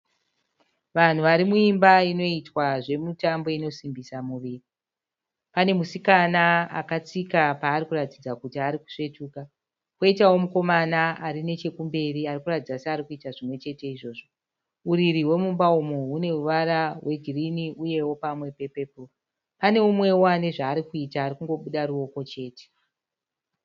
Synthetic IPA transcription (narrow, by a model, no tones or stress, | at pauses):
ʋan̤uʋaɾimuimbaino̞itwaʐe̞mutambo̞ino̞simbisamuʋiri | pane̞musikanaa̰kat͡sikapaːrikuratid͡zakutiaɾiku̥ʂe̞tuːka | koitawo̞muko̞manaarine̞t͡ʃe̞kumbe̞riarikuratid͡zaseaːɾikuitaʐimwe̞t͡ʃe̞te̞iʐo̞ːʐo̞ | uriɾiwe̞mumbaumuɦune̞uʋaɾawʔe̞ɡʱiriniuje̞wo̞pamwe̞pe̞pepo | pane̞umwe̞woane̞ʐaːɾikuitaːɾikuŋɡo̞ɓuɗaɾuo̞ko̞t͡ʃe̞ːte̥